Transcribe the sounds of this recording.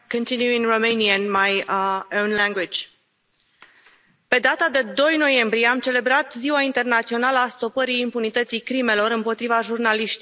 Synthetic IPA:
kə̃nt̪injuĩŋromejniənmajõwnlæ̃ŋɡwid͡ʒʲ | pe̞d̪at̪ad̪e̞d̪o̞jno̞je̞mbɾije̞amt͡ʃe̞le̞bɾat̪ziwaint̪e̞rnat̪sio̞naləast̪o̞pəɾiːmpunit̪ət̪sijkɾime̞lo̞ɾɨmpo̞t̪ɾivaʒurnaliʃt̪i

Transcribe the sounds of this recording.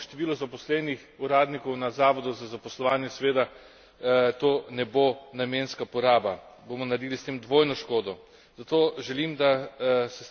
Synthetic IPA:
ʃt̪ɛʋiːlɔzapɔslɛnixuɾaːd̪nikɔwnazaːʋɔd̪uzazapɔslɔʋaːnjɛsʋeːt̪a | t̪oːnɛbonameːnskapɔɾaːba | bomɔnaɾd̪iːlist̪eːmd̪ʋoːjnɔʃkoːd̪ɔ | z̥at̪oːʒɛlimd̪asɛs

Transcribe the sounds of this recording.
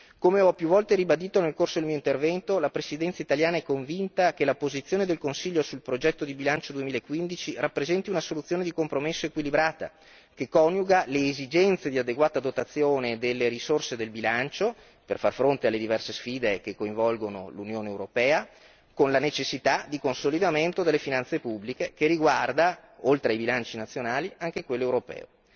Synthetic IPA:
komeɔpːjuvɔlt̪eɾibad̪iːt̪onelkorsod̪elmijoint̪ervɛnt̪olapɾesid̪ɛnt̪sait̪aljaːnaɛkːoɱvint̪akelapozit̪sːjoːned̪elkonsiʎːosulpɾod͡ʒɛt̪ːod̪ibilant͡ʃod̪uemiːlaekːwind̪it͡ʃirapːɾezɛnt̪iunasolut̪sːjoːned̪ikompɾomesːoekwilibɾaːt̪a̰ | kekːɔnjuɡaleːzid͡ʒɛnt̪sed̪iad̪eɡwaːt̪ad̪ot̪at̪sːjoːned̪elːeɾisorsed̪elbilant͡ʃo | perfarfɾont̪ealːed̪ivɛrsesfiːd̪ekekːoiɱvɔlɡono̰lunjoːneːwɾopɛːa | konlanet͡ʃesːit̪ad̪ikonsolid̪ament̪od̪elːefinant̪sepubːlikekeriɡward̪aolt̪ɾeajbilant͡ʃinat̪sːjonaːliaŋk̟ekwelːoewɾopɛ̰ːo

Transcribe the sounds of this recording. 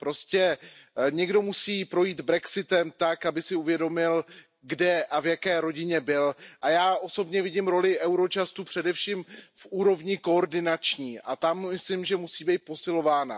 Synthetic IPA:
pɾo̞scɛɲɛɡdo̞musiːpɾo̞jiːt̪bɾɛksɪt̪ɛmt̪akabɪsɪuvjɛdo̞mɪl | ɡdɛʔavjakɛːɾo̞ɟɪɲɛbɪlʔajaːʔo̞so̞bɲɛvɪɟɪmɾo̞lɪʔɛwɾo̞t͡ʃast̪upr̥ɛdɛfʃiːmfʔuːɾo̞vɲɪko̞oɾdɪnat͡ʃɲiːʔa̰t̪amːɪslɪmʒɛmusiːbɛjt̪̚po̞sɪlo̞vaːna̰

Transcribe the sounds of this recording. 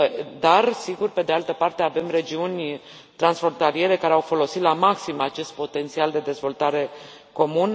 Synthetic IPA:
d̪arsiɡurpe̞d̪ealt̪əpart̪e̞ave̞mre̞d͡ʒiunʲ | t̪ɾansfo̞nt̪alije̞ɾe̞kaɾeawfo̞lo̞sit̪lamaksimat͡ʃe̞st̪̚po̞t̪e̞nt̪siald̪e̞d̪e̞zvo̞lt̪aɾe̞ | ko̞mun

